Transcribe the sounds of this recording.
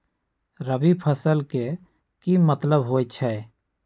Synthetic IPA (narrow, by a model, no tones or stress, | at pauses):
ɾəbipʰəsəlke | kimət̪ləbɦoːet͡ʃʰɛ